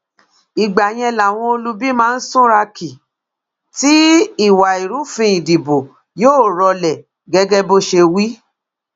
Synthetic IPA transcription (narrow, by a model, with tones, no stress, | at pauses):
i˨ɡ͡ba˨j̃ɛ̃˧la˨w̃ɔ̃˧o˧lu˦bi˦mãː˦˧n̩˦sũ˦ɾa˧ki˨ | ti˦i˦˨wa˨i˨ɾu˨˦fĩ˧ĩ˨di˨bo˨ | joː˦˨ɾɔ˧lɛ˨ | ɡɛ˦ɡɛ˦bo˦ʃe˧wi˦